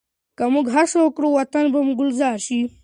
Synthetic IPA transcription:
kamuɡɦaʂokɽowɐt̪ɐnbɐmuɡʊlzaːɾʃi

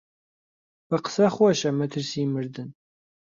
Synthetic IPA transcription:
b̥ɨqsɐχʷɔʃɐmɨtʰɨrsiːmɨrdɨn

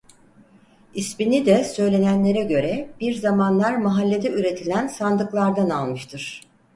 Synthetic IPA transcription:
isminid̪ɛsø̞jlʲe̞nænlʲe̞ɾɛɟø̞ɾɛbiɾzamanlˠaɾmaɦalʲːe̞d̪ɛyɾe̞t̪ʰilʲænsand̪ɯklˠaɾd̪analˠmɯʃt̪ʰɯɾ̥

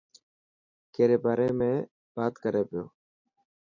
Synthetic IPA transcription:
keːɾeːbaːɾeːmẽː | b̥aːt̪kəɾeːpɪjoː

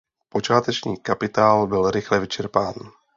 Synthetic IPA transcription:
po̞t͡ʃaːt̪ɛt͡ʃɲiːkapɪt̪aːlbɪlɾɪxlɛvɪt͡ʃɛɾpaːn

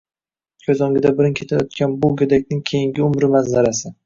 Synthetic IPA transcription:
kʲʰɵzɒŋɡʲɪd̪abɪɾɪŋkʲʰe̞t̪ʰajɒt̪kʲʰanbʊɡʲed̪akʲnɪŋkʲʰejɪŋɡʲɪʊmɾɪmazːaɾasɪ

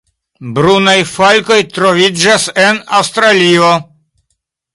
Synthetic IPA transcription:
bɾunajfalko̞jt̪ɾovid͡ʒasenawst̪ɾalio

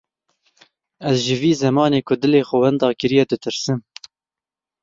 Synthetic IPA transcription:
ɛzʒɪviːzɛmɑːneːkʰʊd̪ɨleːxɔwɛnd̪ɑːkɨɾijɛd̪ɨt̪ʰɨɾsɨm

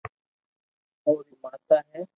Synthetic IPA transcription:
oːɾiːmaːt̪aːɦɛː

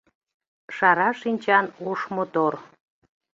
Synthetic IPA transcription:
ʃɑɾɑʃinʲt͡ɕɑnuʃmot̪or

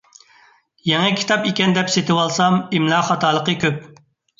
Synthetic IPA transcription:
jɛŋɛkʲʰi̥t̪ɑpikʲɛnd̪ɛpset̪ʰɪwɑlˠsɑmimlˠɑχɑt̪ʰɑːlˠəqəkʲøp̚

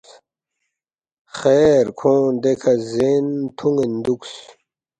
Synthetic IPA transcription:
χeːɾkʰõːd̪ekʰɐzent̪ʰuŋɡend̪uks

